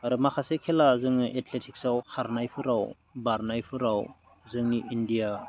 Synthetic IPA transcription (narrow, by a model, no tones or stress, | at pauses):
aɾumakʰasekʰelazɯŋniʔetʰletʰik̚sawkʰaɾnajpʰɯɾaw | baɾnajpʰɯɾaw | zɯŋniʔindija